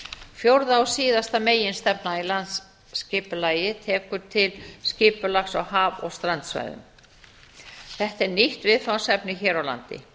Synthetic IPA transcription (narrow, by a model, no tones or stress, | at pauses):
fjowɾðaawsiːðast̪ameːjɪnst̪ɛpnailant̪sː | cɪːpʏlaːjɪt̪ʰɛːkʏɾt̪ʰɪlscɪːpʏlaxsa̰whaːvɔ̰ɣst̪ɾant̪sva̰ːjðʏ̰m | θɛht̪ɛɾniht̪vɪðfawsɛpnɪçɛːɾawla̰nt̪ɪ̰